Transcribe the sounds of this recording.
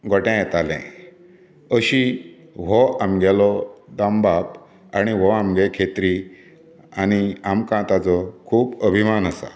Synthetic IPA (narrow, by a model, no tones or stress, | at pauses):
ɡʱɔʈɛ̃jɛt̪alɛ̰̃ | əɕi | ʋɔamɡɛlɔd̪ãmbap | aɽ̃iʋɔamɡɛkʰet̪ɾi | añiamkãt̪at͡sɔkʰuːpəbʱimanəsa̰